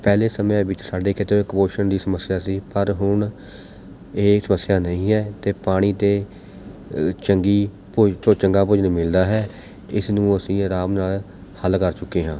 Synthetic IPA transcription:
pɛːleːsəmẽːʋɪt͡ʃsaːɖeːkɪt̪eːkmoːʃənd̪iːsəməsːjaːsiːpəɾɦʊɳ | eːsəməsːɪjaːnəĩːɦɛːt̪eːpaːɽ̃iːt̪eː | t͡ʃəŋɡiː | pot͡ʃəŋɡaːp̬ʊd͡ʒnmɪld̪aːɦɛː | ɪsnũːəsĩːɾaːmnaːl | həlkəɾt͡ʃʊkːeːɦãː

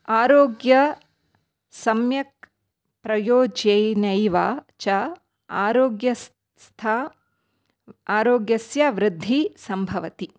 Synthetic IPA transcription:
aːɾoːɡjɐ | sɐmjɐk̚ | pɾɐjoːd͡ʒɐjnɐjʋaːt͡ʃɐ | aːɾoːɡjɐs | st̪ʰa | aːɾoːɡjɐsjaʋɾɪd̪ʱːisɐmbʱɐʋɐt̪i

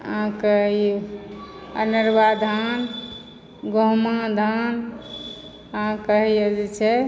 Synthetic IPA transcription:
ɦãkəei | ə̰nəɾbad̪ʱan | ɡoɦmãd̪ʱan | əɦãkəɦijed͡ʒɛt͡ʃʰɛ

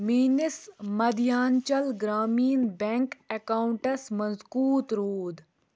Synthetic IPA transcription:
miːnɪsmɐd̪ijaːnt͡ʃɐlɡɾaːmiːnbɛŋkekaːuɳʈɐsmɐnzkuːt̪ɾoːd̪

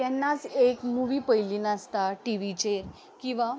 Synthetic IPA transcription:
ɛnːat͡sekmuʋiːpəjliːnast̪aʈiʋit͡ɕeɾ | kĩw̃ʋa

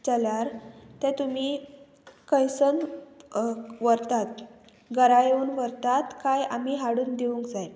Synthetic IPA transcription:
t͡səljaɾt̪ɛ̃t̪um̤iː | kəjsən | ʋəɾt̪at̪ | ɡəɾajuːnʋəɾt̪at̪kaja̰m̤iːɦaɽuːnd̪eʋuŋkd͡zaj

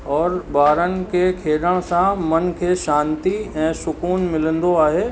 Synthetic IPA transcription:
ɔːɾbaːɾənɪ̆kekʰeːɗəɽ̃sãmɐnkʰeːʃãːnt̪iɛ̃ːsʊkuːnmɪlə̃nd̪oaːɦeː

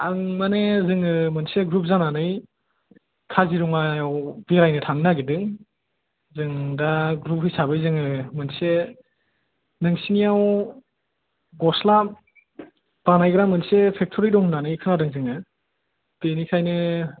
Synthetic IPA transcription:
aŋmanezɯŋɯmɯnseɡɾup̚zananɯj | kʰaziɾɔŋajawbiɾajnɯtʰaŋnaɡidɯŋ | zɯŋdaɡɾup̚hɯjsabɯjzɯŋɯmɯnse | nɯŋsinijaw | ɡɔslap | b̥anajɡɾamɯnsepʰek̚tʰɔɾidɔŋnanɯjkʰɯnadɯŋzɯŋɯ | tenikʰajnɯ

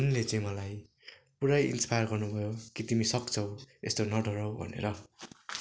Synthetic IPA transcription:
unlet͡saĩmʌlaj | puɾajḭnspajʌrɡʌrnubʱʌjokit̪imisʌkt͡sʰʌwest̪onʌɖʱʌɾʌwbʱʌ̰nḛɾʌ

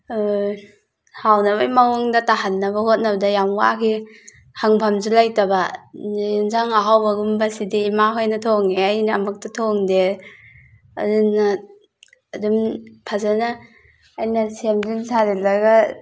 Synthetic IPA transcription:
hawnabajmawɔŋdataɦanːɐbɐhot̚nɐbɐdɐjamwa̰kʰi | haŋpʰamzulajtaba | nzaŋaɦawbɐɡumbasidiimaɦojnɐtʰɔŋeajnaːmak̚tatʰoŋde | a̰dinːa | adumpʰazanaː | jnɐsemdinsʰaɾilaɡa

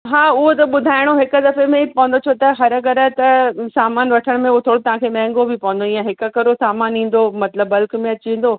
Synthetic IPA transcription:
ɦaːʊɦot̪ɐɓʊd̪ʱaːɪɽ̃oɦɪkʊ̆d̪ɐfemẽpɐʋə̃nd̪ot͡ɕʰoːt̪ɐɦɐɾkɐɾət̪ɐsaːmaːnʋɐʈʰəɽ̃mẽʊɦot̪ʰoːɽot̪ɐʋ̤ãkʰeːmɛ̃ːŋɡobʱɪpɐʋə̃n̆d̪oĩjãɦɪkə̆kɐɾosaːmaːnĩːn̆d̪omɐt̪ləbːɐlkmẽɐt͡ɕĩːn̆d̪oː

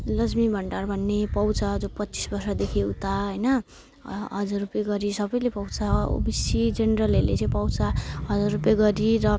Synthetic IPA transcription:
lʌd͡zmibʱʌɳʈarbʱʌnːepʌwt͡sad͡zopʌtːt͡si̥sbʌrsʌd̪ekʰeut̪aɦʌjnʌ | ɦʌd͡zarːupjaɡʌɾisʌbʌjlepʌwt͡sa̰bisid͡zenrʌlelḛt͡sʌ̃ĩpʌwt͡saɦʌd͡zarupjaɡʌɾirʌ

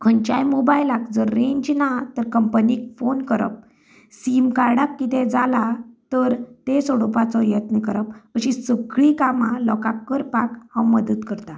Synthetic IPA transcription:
kʰəɲt͡ɕajmobajlakd͡zəɾːẽɲd͡ʑnat̪əɾkəmpnik̚fonkəɾə̰p̚ | simkaɾɽakːit̪ed͡zalat̪əɾt̪esɔɽopat͡sɔjət̪nikəɾəpəɕisəkɭikamãlɔkakːəɾpakhãwməd̪ət̪kəɾt̪a

